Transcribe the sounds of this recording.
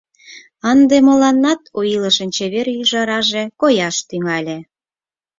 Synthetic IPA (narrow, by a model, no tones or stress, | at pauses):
ɑnd̪emə̆lɑnːɑt̪ojiləʃə̆nt͡ɕeβeɾjyʒɑɾɑʒekojɑʃt̪yŋɑlʲe